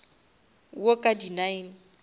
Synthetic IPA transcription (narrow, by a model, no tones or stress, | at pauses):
wokʼadinain